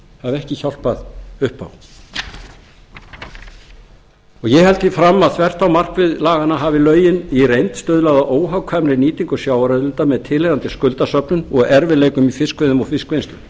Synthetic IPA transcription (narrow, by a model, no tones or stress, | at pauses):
θaɛhcɪçawl̥paðʏhpa̰w | ɔɣjɛhɛlt̪ɪfɾamːaðθvɛr̥t̪awmar̥kvɪðlaːɣanaɦavɪlœːɥjɪnirejnt̪st̪œːðlaɣðaʔoːwɦawkʰvamɾɪniːt̪iŋkɔsjaːwɾɛðlʏnt̪amɛðt̪ʰɪlejðant̪ɪskʏlt̪asœpnʏnɔɣɛɾvɪleːjkʏmifɪskvœðʏmɔɣfɪskvejnst̪ʏm